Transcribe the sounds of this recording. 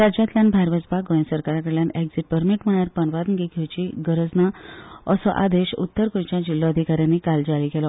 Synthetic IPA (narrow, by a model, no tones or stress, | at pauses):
ɾad͡ʑat̪ljanbʱaɾʋəd͡zbaɡɔjnsəɾkaɾakəɽɭjanɛkd͡ziʈ̚pəɾmiʈm̤əɭaɾpənʋad̪nɡiɡʱewt͡ɕiɡəɾəd͡znaəsɔʔa̰d̪eɕṵt̪ːəɾkõt͡ɕjad͡ʑilːɔəd̪ʱikaɾjanːikald͡ʑaɽiːɡelɔ